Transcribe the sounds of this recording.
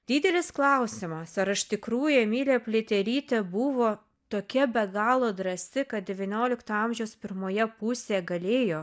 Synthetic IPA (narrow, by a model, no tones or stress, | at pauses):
d̪ʲiːd̪ʲɛlʲɪsklˠɐʊsʲɪmɐsɐɾɪʃt̪ʲɪkɾuːjɛmʲiːlʲeːpʲlʲet̪ʲɛlʲiːt̪ʲɛbʊʋoː | t̪oːkʲɛbʲɛɡɑːlˠoːd̪ɾɐsʲɪkɐt̪̚d̪ʲɛʋʲiɛnʲoːlʲɪkt̪ɐɐmʲʒʲɛʊspʲɪɾmoːjɛpʊsʲeːɛɡɐlʲeːjoː